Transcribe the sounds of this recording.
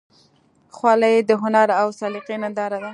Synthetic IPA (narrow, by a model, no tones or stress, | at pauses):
xwɑlajd̪əɦʊnaɾawsɑlɪqinand̪ɑɾad̪a